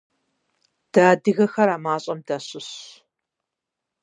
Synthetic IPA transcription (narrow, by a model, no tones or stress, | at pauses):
d̥aːdɨɣɐxɐɾaːmaːɕʼɐmdaɕʼɨɕ